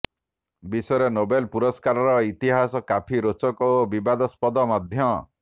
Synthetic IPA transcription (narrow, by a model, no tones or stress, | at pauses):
bisɔjɔɾenobelpuɾɔskaɾɔɾɔit̪iɦasɔkapʰiɾot͡ʃɔkoobibad̪ɔspɔd̪ɔmɔd̪ʱjɔ